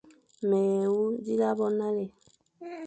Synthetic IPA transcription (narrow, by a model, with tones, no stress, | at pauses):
mɛː˨wu˦zi˦la˦bɔ˦na˦le˨